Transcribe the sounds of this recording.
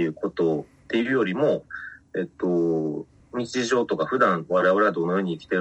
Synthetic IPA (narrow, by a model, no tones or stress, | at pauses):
ɯ̟ːko̞t̪o̞ | t̪ːe̞iɯ̟jo̞ɾʲimo̞e̞t̪ːo̞ | ɲ̟it͡ɕiʑo̞ːt̪o̞kaɸɯ̟d̪ãɰ̃βaɾaβaɾad̪o̞ːno̞jo̞ːɲ̟iːkʲi̥t̪e̞